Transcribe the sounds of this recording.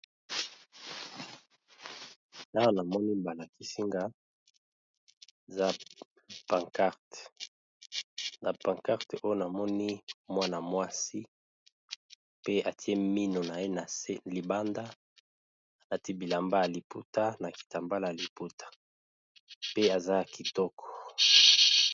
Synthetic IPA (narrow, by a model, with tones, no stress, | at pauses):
ta˦˨na˨mɔ˦ni˦ba˨la˨ki˦si˦ŋɡa˦ | e˨za˦ | pã˨ŋka˦ʁt | na˨pã˨ŋka˦ʁto˦jo˦na˨mɔ˦ni˦mwa˦na˨mwa˦si˦ | pe˦a˨ti˦e˦mi˦no˨na˨je˦na˨se˦li˨ba˦nda˦ | na˨ti˦bi˨la˨mba˦ja˨li˨pu˦ta˦na˨ki̥˨ta˨mba˦la˨ja˨li˨pu˦tʰḁ˨ | pe˦a˨za˦ki˨tɔ˦kʰɔ̥˨